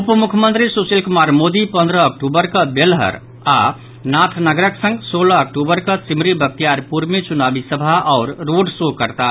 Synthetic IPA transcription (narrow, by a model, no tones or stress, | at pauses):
upəmukʰəmə̃nt̪ɾisusilkomaɾmod̪ipə̃nd̪ɾəːk̚ʈubəɾkəbelɦə̰ɾ | a | nat̪ʰnəɡɾəksə̃ŋɡsolaːk̚ʈubəɾkət͡ʃimɾibʱək̚t̪ijaɾpuɾmet͡ʃunabisəbʱaʔɔʊɾːoɖsokəɾt̪a